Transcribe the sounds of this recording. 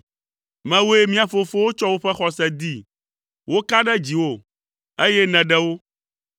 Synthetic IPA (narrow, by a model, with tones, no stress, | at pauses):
mɛ̃˨wo˦e˦mĩ˦a˨fo˨fo˦wo˦t͡ʃɔ˦wo˦ɸɛ˦xɔ˨sɛ˦˨d̪i˦˨ | wo˦ka˦ɖɛ˦d͡ʑi˨wo˦˨ | e˦jɛ˦nɛ̃˨ɖɛ˦wo˦